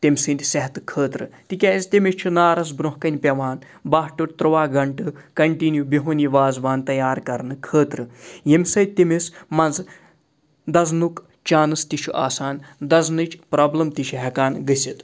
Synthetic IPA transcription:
t̪ʲimʲsɨnt̪ʲsɐɦt̪kʰəːt̪ɾɨt̪ikʲɐst̪ʲimist͡ʃʰunaːɾɐs̬bɾoɦkɐnʲpʲɐʋaːn | baːɦʈuʈt̪ɾɨʋaːɡɐɳʈɨkɐɳʈinjubʲiɦunʲiʋaːzʋaːnt̪ɐjaːɾkɐɾnɨkʰəːt̪ɾɨjemʲsɐjt̪imesmɐnz | d̪ɐznuk | t͡ʃaːnɨst̪iʃʰuʔa̰ːsaːnd̪ɐznɨt͡ʃʰpɾoːblɐmt̪iʃʰɦɐkaːnɡɨsʲit̪

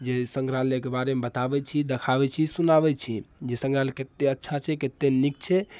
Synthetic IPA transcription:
d͡ʒesə̃ŋɡɾalekebaɾemebət̪abɛt͡ʃʰid̪ekʰabɛt͡ʃʰisunabɛt͡ʃʰid͡ʒesə̃ŋɡɾaleket̪ːeətːʃʰat͡ʃʰɛket̪ːenik̚t͡ʃʰɛ

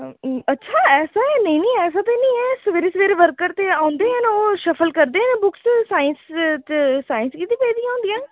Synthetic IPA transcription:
ətːʃʰaːɛːsaːɛnəĩːnĩːɛːs̬aːt̪eːnĩːɛːsəʋeːɾeːsəʋeːɾeːʋəɾkəɾt̪eːaːʊ̃nd̪eːɦɛ̃noːʃəfʰəlkəɾd̪eːɦənːbʊkssaːɪnst̪esaːɪnskit̪iːpeːd̪ijãːʊ̃ːnd̪ijãː

